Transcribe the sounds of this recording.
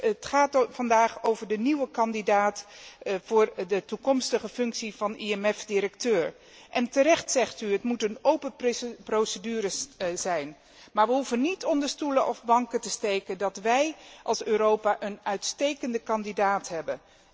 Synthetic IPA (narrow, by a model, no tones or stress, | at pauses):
ətχaːtfɑndaːχowvəɹdəniwəkɑndidaːtfʊːɹdətukɔmstəχəfɵŋksivɑnʔiɛmɛfdɪɾək̚tøːɹ | ʔɛntəɾɛχtsɛχtyɦətmutənowpəprowsədyːɾəszɛjn | maːɹʋəɦufənitɔndəɹstulənʔɔfbɑŋkətəstejkəndɑtʋɛjʔɑlˠsøːɾowpaːʔənœɥtstejkəndəkɑndidaːtɦɛbən